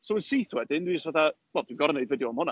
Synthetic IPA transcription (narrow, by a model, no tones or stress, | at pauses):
sowənsiθwɛdɪndwid͡ʒstvaθawɛlˠd̥winɡɔɾnejvədjɔəmhʊna